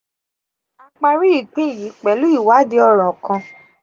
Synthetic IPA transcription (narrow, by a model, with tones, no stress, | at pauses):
a˧k͡pa˧ɾi˦i˦˨k͡pĩ˦i˦˨ji˨˦k͡pɛ˨˦lu˦i˦˨wa˨˦de˨˦ɔ˦˧˨ɾ̃ɔ̃˨kã˧